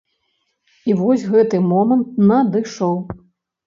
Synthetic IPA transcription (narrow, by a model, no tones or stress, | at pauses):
ivɔsʲɣɛt̪ɨmɔmɐnt̪̚nɐd̪ɨʂɔw